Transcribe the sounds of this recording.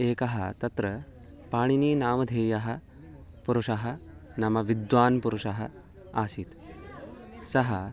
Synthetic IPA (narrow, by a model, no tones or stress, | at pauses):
eːkɐɦɐt̪ɐt̪ɾə | paːɽ̃iniːnaːmɐd̪ʱeːjɐɦɐ | puɾuʂaɦɐnɐmɐʋid̪ʋaːnpuɾuʂaɦɐ | aːsiːt̪ | sɐɦɐ